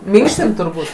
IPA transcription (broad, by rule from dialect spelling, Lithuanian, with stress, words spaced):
ˈmʲɪŋkʃʲtʲɪn tʊrˈbuːtʲ